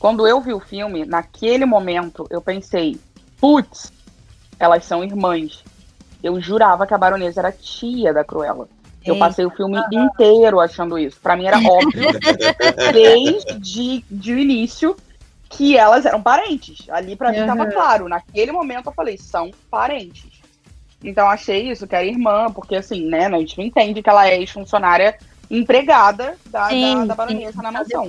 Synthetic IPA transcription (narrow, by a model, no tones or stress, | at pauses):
kwɐ̃nd̪ʊewviʊfiwmɪnakʰelɪmõmẽnt̪ʊʔewpẽsej | put̪s | ɛlɐssɐ̃w̃iɾmɐ̃s | ewʒuɾavɐkɪɐbaɾõnezɐɛɾɐt͡ʃiɐd̪ɐkɾṵɛ̰lɐ̰ | ewpasejʊfiwmɪĩnt̪ejɾʊaʃɐ̃nd̪ʊisʊ̥pɾɐmĩɛɾɐʔɔbviʊ | d̪ejzd͡ʒɪd͡ʒɪinisiʊ | kʰɪɛlɐzɛɾɐ̃w̃paɾẽnt͡ʃɪsa̰lipɾɐmĩt̪avɐklaɾʊnɐk̚elɪmomẽnt̪ʊewfalejsɐ̃w̃paɾẽnt͡ʃɪ̥s | ẽnt̪ɐ̃w̃aʃejisʊkɪɛɾɐiɦmɐ̃poχkeasĩnɛnɐ̃ẽt͡ʃñẽnt̪ẽnd͡ʒɪkɪɛlɐɛeʃfũsionaɾjɐ | ĩpɾeɡad̪ɐd̪ɐd̪ɐbaɾõnezɐnɐmasɐ̃w̃